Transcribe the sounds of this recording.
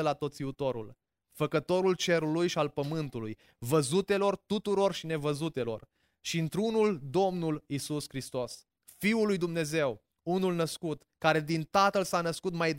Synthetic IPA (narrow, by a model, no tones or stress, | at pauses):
əlat̪o̞t̪siut̪o̞ɾṵl | fəkət̪o̞ɾult͡ʃe̞ɾulujʃialpəmɨnt̪uluj | vəzut̪e̞lo̞rt̪ut̪uɾo̞rʃine̞vəzut̪e̞lo̞̰r | ʃint̪ɾunuld̪o̞mnulisuskɾist̪o̞s | fiulujd̪umne̞ze̞w | unulnəskut̪ | kaɾe̞d̪int̪at̪əlsanəskut̪majd̪